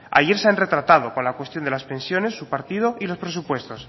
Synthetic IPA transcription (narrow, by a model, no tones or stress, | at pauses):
a̰ʝeɾseanre̞t̪ɾat̪að̞o̞konlakwe̞st̪jond̪elaspe̞nsjo̞ne̞sːupaɾt̪ið̞o̞ʔilo̞spɾe̞supwe̞st̪o̞s